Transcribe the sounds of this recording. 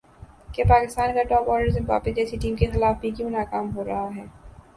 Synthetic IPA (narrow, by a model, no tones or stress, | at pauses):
kepaːkɪst̪aːnkaʈɔːpɔːɖəɾzẽmʋa̰ːpɪsd͡ʒɛːsiʈiːmkexɪlaːfbʱikjõːnaːkaːmɦoːɾɐɦaɦɛː